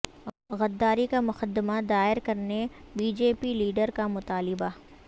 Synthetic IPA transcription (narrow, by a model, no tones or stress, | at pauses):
ɣɐd̪ːaːɾikamʊxəd̪ːɪmad̪aːɪɾkɐɾnebiːd͡ʒeːpiliːɖəɾkamʊt̪aːlɪba